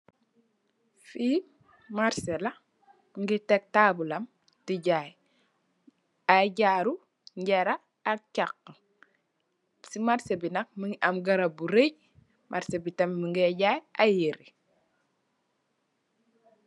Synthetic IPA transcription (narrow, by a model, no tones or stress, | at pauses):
fi | maɾsela | ŋɡitek̚taːbulɐm | tiɟaj | aɟaːɾu | ɲɟeɾaː | t͡ʃakː | simaɾsebinak̚miŋʔamɡaɾabuɾej | mʔaɾsebitammiŋɡiɟajajiɾi